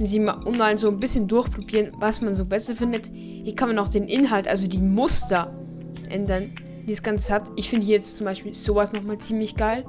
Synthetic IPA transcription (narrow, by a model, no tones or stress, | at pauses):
ɛnziːmʔʊnmaɪnzoːnbɪsçəndʊɐçpʁ̥obiːʁənvasmanzoːbɛsɐfɪndət | hiːɐkʰanmanaʊxd̥eːnʔɪnɦaltʔa̰lzodiːmʊstɐ | ʔɛndɐn | d̥iːsɡ̥ant͡sz̥atʔɪçfɪndəhiːɐjɛt͡stt͡sʊmbaɪʃpiːlz̥oːvasnɔχmaːlt͡siːmlɪçɡ̥aɪl